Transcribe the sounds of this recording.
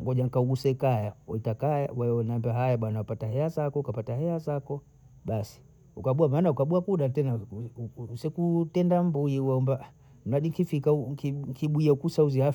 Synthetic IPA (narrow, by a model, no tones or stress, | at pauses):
ŋɡɔʄaŋ̩kauɡusɛkajawɔ̰itakaja̰waɔnaambiaɦajaɓwanawapataɦɛazakɔukapataɦɛazakɔ | ɓasi̥ | ukaɓuamaːnaukaɓuakuɗatɛna | usɛkutɛndambuiwaɔmba | m̩aɗikifikaukikiɓuiaukusauzia